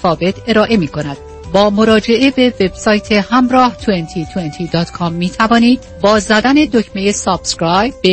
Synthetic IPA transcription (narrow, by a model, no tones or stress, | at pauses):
fɒːve̞t̪ʰe̞ɾɒːʔe̞miːkʰo̞næd̪̥ | bɒːmo̞ɾɒːd͡ʒe̞ʔe̞be̞ve̞b̥sɒːjt̪ʰe̞hæmɾɒːht̪ʰuent̪ʰiːt̪ʰuent̪ʰiːd̪ɒːt̪kʰɒmːiːt̪ʰævɒːniːd̪ | bɒːzæd̪æne̞d̪ocʰmejesɒːb̥skɾɒjbe